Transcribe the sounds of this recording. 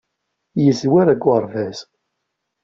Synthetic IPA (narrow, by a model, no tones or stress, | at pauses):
jəzwæɾæɡwəɾˤvæz